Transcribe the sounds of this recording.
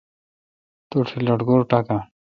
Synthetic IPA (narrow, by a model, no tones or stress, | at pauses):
t̪uʈʰilɔʈɡɔɾʈaka